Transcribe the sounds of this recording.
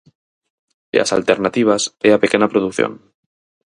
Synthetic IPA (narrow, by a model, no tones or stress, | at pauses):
ea̰sa̰lt̪e̞ɾnat̪iβ̞aseape̞ke̞napɾoð̞ukθjo̰n